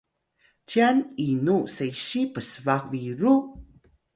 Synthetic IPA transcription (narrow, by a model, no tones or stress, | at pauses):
tianinuseɕipəsəvak̚viɾu